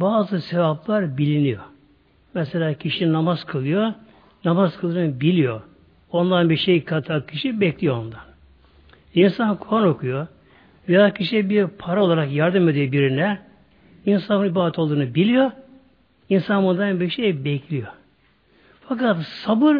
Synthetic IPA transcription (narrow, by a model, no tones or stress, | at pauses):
baːzɯse̞vaplˠaɾbilʲinijo | mɛselʲaːcʰiʃinamazkʰɯlˠɯjo | namazkʰɯlˠd̪ɯːnɯbilʲijo | ond̪anbiɾʃejkʰat̪ʰacʰiʃibɛclʲijoond̪an | insankʰuano̞kʰujo | vejacʰiʃibiɾpʰaɾao̞lˠaɾakjaɾd̪ɯme̞d̪yjbiɾinlʲæɾ | insannibaːd̪ɛt̪ʰolˠd̪uːnɯbilʲijo | insanbond̪anbiɾʃejbɛcʰlʲijo | fakat̪sabɯɾ